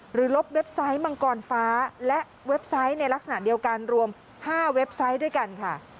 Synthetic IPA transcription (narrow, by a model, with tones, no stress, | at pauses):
ɾɯː˩˦lo˦˥p̚we˦˥p̚sa˦˥jma˧ŋkɔː˧nfaː˦˥lɛ˦˥ | we˦˥p̚sa˦˥jna˧jla˦˥k̚sa˧na̰˨˩ʔ̚di˧əwka˧nɾu˧əm | haː˥˩we˦˥p̚sa˦˥jdu˥˩əjka˧nkʰa˥˩